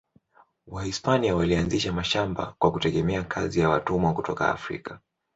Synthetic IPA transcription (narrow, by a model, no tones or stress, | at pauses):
wahispaniawalianziʃamaʃamba̰kwakutɛɠɛmɛakʰazijawatumwakutɔka̰a̰fɾḭka